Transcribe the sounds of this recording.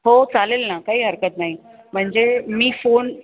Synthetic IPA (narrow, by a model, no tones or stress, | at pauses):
ɦot͡salelnakaɦiːɦəɾkət̪naɦi | m̤əɳd͡zemiːfon